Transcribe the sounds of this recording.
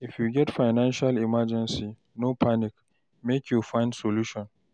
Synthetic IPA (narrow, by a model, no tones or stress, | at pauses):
ʔɪfjuɡʲɛtfajnanʃalɪmad͡ʒɛnsi | nopʰanɪk | mekjufaɪndsoluːʃɔn